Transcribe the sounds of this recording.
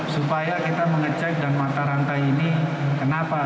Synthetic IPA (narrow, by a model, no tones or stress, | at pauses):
supajakit̪aməŋət͡ʃak̚danmat̪aɾant̪ajinikənapa